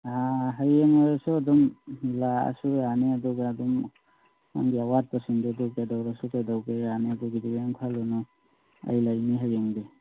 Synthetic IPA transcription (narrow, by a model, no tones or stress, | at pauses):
aɦajeŋaɾasɔadɔmlaa̰suaneadɔɡaːdɔm | ma̰ŋɡiawat̚pasindɔdukadawɾasukajdawɡeaneduɡidiɡajŋpʰalɔnɔ | a̰jlajniɦajeŋde